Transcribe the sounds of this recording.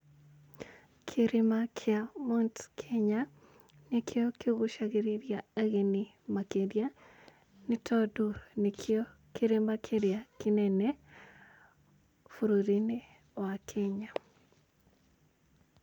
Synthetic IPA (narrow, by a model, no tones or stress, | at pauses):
kʰeɾemakʰɪamontkʰɛɲa | nekʰeɔkɪoɣoʃaɣeɾiɾjaaɣeni | makeɾja | nɪtʰɔdunekʰeo | keɾemakʰeɾjakɪnɛnɛ | fuɾoɾine | wakʰɛɲa